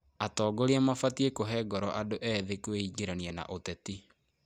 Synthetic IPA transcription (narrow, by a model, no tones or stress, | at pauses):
atɔːɡoɾeɛmafatiekoɦɛːɡɔɾɔʔadoʔɛðekweiɡeɾaniana̰ʔotɛti